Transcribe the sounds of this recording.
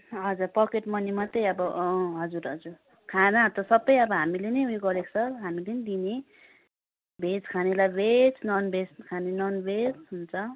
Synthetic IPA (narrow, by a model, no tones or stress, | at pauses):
ɦʌd͡zurpʌkeʈmʌnimʌt̪ʌjʌbʌɦʌd͡zuɾɦʌd͡zur | kʰanat̪ʌsʌbːʌjʌbʌɦamilenʌjuɡʌɾeksʰʌɦamilenid̪ine | bed͡zkʰanelajbet͡snʌnbeskʰanenʌnbed͡zɦunt͡sʰʌ